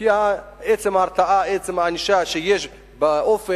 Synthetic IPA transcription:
iaet͡semhaːʁt͡saʔaet͡semhaniʃaʃejeʃ | baʔofe

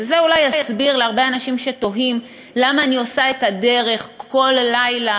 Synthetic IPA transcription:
vezeulajajasbiʁleaʁbeanaʃimʃe̞to̞ɦim | lamaːniosaetade̞ʁe̞χko̞lːajla

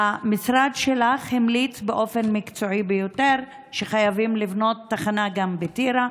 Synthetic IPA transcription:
amisɾad̪ʃelaχhimlit͡sbeʔo̞fe̞nmikt͡so̞ibejoteʁ | ʃeχajavimlivno̞tːaχanaɡambetiɾa

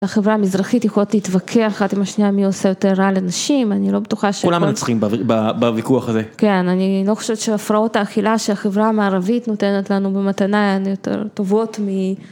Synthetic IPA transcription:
aχevʁaamizʁaχitjexolot̪leitvakʰeaχat̪imaʃniamio̞sejo̞te̞ʁːalenaʃimanilo̞betuχaʃeulamant͡sχimbababavikuaχazeke̞nanilo̞χo̥ʃevetʃeafʁao̞taːχilaʃeaχevʁaamaːʁavit̪no̞te̞net̪lanubematanaanjo̞tḛʁto̞vo̞tmi

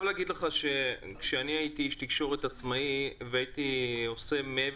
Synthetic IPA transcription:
vleaɡid̪leχaʃe̞kʃeaniajit̪iʃt̪ikʃo̞ʁet̪at͡smaiveait̪io̞se̞mee

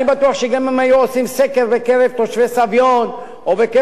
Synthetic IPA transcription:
ibat̪uaχʃeɡamemajoosimsekeɾbekeɾevt̪oʃvesavjon | oveke

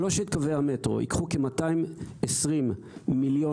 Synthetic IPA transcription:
loʃeit̪kavehametʁo̞̰ʔḭkχukemataimesʁimː | iljo̞

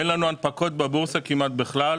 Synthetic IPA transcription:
enlanuanpako̞t̪̚bebuʁsakimat̪̚beχlal

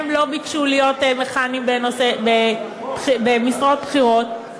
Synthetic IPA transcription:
emlo̞bikʃulijo̞t̪meχanimbenosebe | bχibemisʁot̪̚bχiʁo̞t̪̚

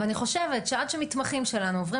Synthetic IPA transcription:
aniχo̞ʃevet̪ʃead̪ʃemit̪maχimʃe̞lanuovʁi

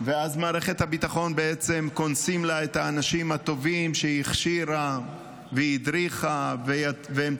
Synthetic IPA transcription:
veazmaːʁeχe̞t̪habit̪aχo̞nbeet͡se̞mko̞nsimlaet̪haːnaʃimhat̪o̞vimʃejiχʃiɾa | veid̪ɾiχaveaveem

